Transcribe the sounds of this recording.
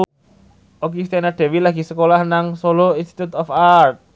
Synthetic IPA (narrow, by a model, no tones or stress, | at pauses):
okist̪enaɖ̪̥e̤wilaɡ̥i̤səkolahnaŋsoloinst̪i̥t̪ut̪ɔfart̪̚